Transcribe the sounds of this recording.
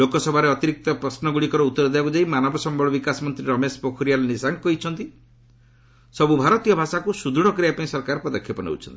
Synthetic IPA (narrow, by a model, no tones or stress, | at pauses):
lokɔsɔbʱaɾeɔt̪iɾik̚t̪ɔpɾɔsnɔɡuɽikɔɾɔut̪ːɔɾɔd̪eakud͡ʒaimanɔbɔsɔmbʱɔɭɔbikasɔmɔnt̪ɾiɾɔmespɔkʰuɾijalnisaŋɡkɔɦit͡ʃʰɔnt̪i | sɔbubʱaɾɔt̪ijɔbʱasakusud̪ʱuɽ̃ɔkɾiapaĩsɔɾkaɾpɔd̪ɔkʰjɔpɔnḛw̰t͡ʃʰɔ̰nt̪i̥